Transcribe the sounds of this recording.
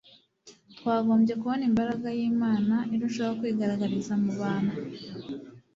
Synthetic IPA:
t̪waːɡo̞ːmbɟe̞kuβonimbaɾaɡajiːmaːnaʔiɾunʃoaokwiːɡaɾaɡaɾizamuβaːna

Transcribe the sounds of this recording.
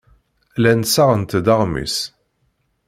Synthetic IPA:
lænsaʁənt̪d̪ɑʁmḭs

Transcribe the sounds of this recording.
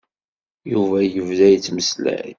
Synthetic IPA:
juvæjəvðæjət͡sːməslæ̰

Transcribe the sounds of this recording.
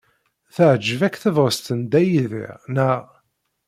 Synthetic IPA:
θəʕd͡ʒːəvækːθəvʁəst̪ənd̪æjiðḭʁnæʁ

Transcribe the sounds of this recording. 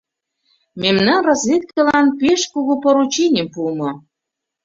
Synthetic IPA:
memnɑnrɑzvʲet̪̚kɤ̆lɑnpeʃkuɣupoɾut͡ɕenʲempumɤ̆

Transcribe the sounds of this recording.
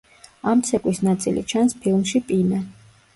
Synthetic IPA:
amt̪sʰɛkʼwisnat̪sʼḭlḭt͡ʃʰanspʰilˠmʃipʼina

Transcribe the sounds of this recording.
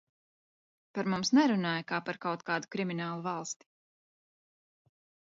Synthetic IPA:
paɾmumsnɛɾunaːjakaːpaɾkawt̪̚kaːd̪ukɾiminaːlˠuvɑlˠst̪i̥

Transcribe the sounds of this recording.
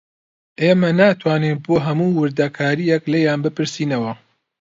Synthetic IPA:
ʔemɐnaːt̪ʰwaːnenboːɦɐmuːwɨɾd̪ɐkʰaːɾijɛklejaːnbɨpɨɾsiːnɐwɐ

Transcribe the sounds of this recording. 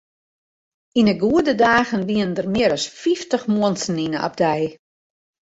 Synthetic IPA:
inəɡuədədaːɣənʋiəəndərmɪəɾɔsfiftəxmuənsn̩inəɔ̰p̚dɛj

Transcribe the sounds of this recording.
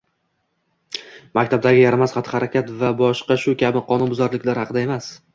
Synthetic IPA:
makʲt̪ʰab̚d̪aɡʲɪjaɾamazχɑt̪ʰɪ̥haɾakʲat̪vabɒʃqɑʃʊkʲʰabɪqʰɒnʊnbʊzaɾlɪkʲlaɾhɑqʰɨd̪ae̞mas

